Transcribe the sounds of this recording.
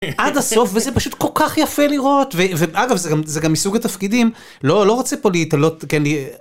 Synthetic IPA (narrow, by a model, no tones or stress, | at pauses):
ʔad̪aso̞fvezepaʃut̪ko̞lkaχjafe̞liʁo̞tveveaɡavzeɡamzeɡamːisuɡat̪afkidim | lo̞lo̞ʁat͡sepo̞liit̪alo̞tkenli